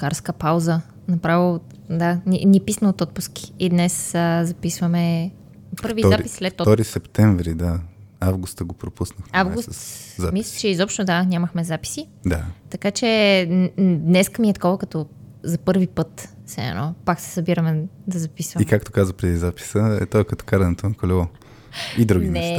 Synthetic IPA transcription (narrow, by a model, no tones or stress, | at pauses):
kaɾskəpawzə | nɐpɾavilˠ | d̪aninʲiɛpisnɐot̪ɔt̪̚pʊsk̟i̥ːd̪nɛsəzɐpisvəmɛ | pɤɾvizaɾpisːlɛt̪ɔt̪ɔɾisɛpt̪ɛɱvɾid̪aavɡust̪əɡopɾopusnəxavɡust̪zamislit͡ʃɛizɔpʃt̪od̪anʲaməxmɛzapi̥sid̪at̪ɐkat͡ʃɛ | d̪nɛskəmiɛt̪ɐ̥kɔvəkɐt̪ɔzɐpɤɾvipɤt̪sɛɛ̰nɔpaksɛ̥sɐbiɾəmɛd̪ɐzɐpisvɐmikak̚t̪o̥kazəpɾɛd̪izapi̥səɛ̰t̪ɔɛkɐt̪ɔ̥kaɾɛnɛt̪onɐkolɛvˠɔ | id̪ɾuɡʲinmɛɛs